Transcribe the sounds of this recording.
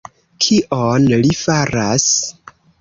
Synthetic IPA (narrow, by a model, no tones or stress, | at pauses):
kʰiʔonlifaɾas